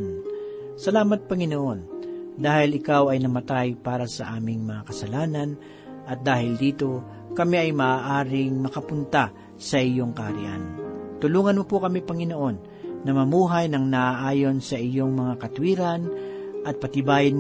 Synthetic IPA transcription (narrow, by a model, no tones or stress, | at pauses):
n | sɐlaːmɐt̪̚pɐŋɪnoʔo̞nd̪aːhɪlɪkawɐjnɐmɐt̪ajpaːɾɐsɐʔaːmɪŋmɐŋakɐsɐlaːnɐn | ʔɐt̪̚d̪aːhɪld̪iːt̪o̞ | kɐmiʔɐjmɐaːʔaːɾɪŋmɐkɐpʊnt̪a | sɐʔɪjo̞ŋkɐɐɾɪ̰ʔa̰nt̪ʊluːŋɐnmopʊkɐmipɐŋɪnoʔo̞nː | ɐmɐmuːɦɐjnɐŋnɐʔaʔaːjo̞nsɐʔɪjo̞ŋmɐŋakɐt̪wiːɾɐnʔɐt̪̚pɐt̪ɪbaːjɐnm